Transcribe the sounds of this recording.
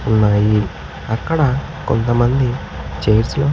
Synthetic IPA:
unːaːji | ɐkːɐɽɐ | kont̪ɐmɐnd̪i | t͡ʃejɾsloː

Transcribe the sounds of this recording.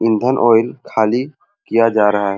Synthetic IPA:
ɪ̃nd̪ʱənʔoːɪlkʰaːli | kijad͡ʒaːɾɐɦaɦɛː

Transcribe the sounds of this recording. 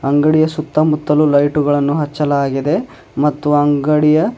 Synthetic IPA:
ɐŋɡɐɽijɐsut̪ːɐmut̪ːɐlulɐjʈuɡɐɭɐnːuɦɐt͡ʃːɐlaːɡid̪e̞ | mɐt̪ːuɐŋɡɐɽijɐ

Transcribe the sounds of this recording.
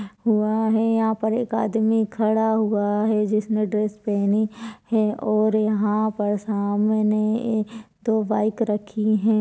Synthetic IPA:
ɦuaɦɛjɐɦãpɐɾeːka̰ːd̪mikʰɐɽaɦʊaɦɛd͡ʒɪsneɖɾeːspɛɦnihɛʔɔːɾjɐɦãpɐɾsaːmne | d̪oːʋaːɪkɾɐkʰiɦɛ̃ː

